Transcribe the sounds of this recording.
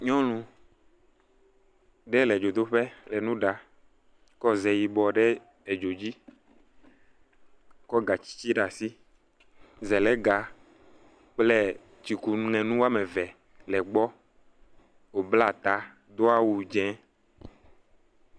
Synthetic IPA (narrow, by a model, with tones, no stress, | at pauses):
ɲɔ̃˦lũ˨ | ɖɛ˦lɛ˨d͡ʒo˨d̪o˦ɸɛ˦lɛ˨nũ˦ɖa˨ | kɔ˦zɛ˨ji˨bɔ˨ɖɛ˦ | e˨d͡ʒo˨d͡ʑi˦ | kɔ˦ɡa˨t͡ɕi̥˦t͡ɕi˦ɖa˨si˦ | zɛ˨lɛ˨˦ɡa˨ | k͡plɛ˦ | t͡ʃi˨ku˨˦ŋɛ̃˨nũ˦wa˦mɛ˨vɛ˨ | lɛ˨ɡ͡bɔ˦ | wo˨bla˦˨t̪a˨˦ | d̪o˦a˦wu˨d͡ʒɛ̃˦